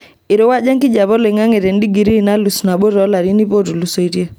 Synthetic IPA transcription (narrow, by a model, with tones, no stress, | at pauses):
i˨ɾo˦wa˦d͡ʒa˦ŋki˦d͡ʒa˨βɔ˦le˨ŋa˦ŋe˨ɾɛ˨ndi˦ɡi˨ɾi˦˨na˦lu˨sna˨ɓo˦ɾɔ˨˦la˨ɾi˦ni˦po˦tu˨lu˨so˨i˦ɾje˦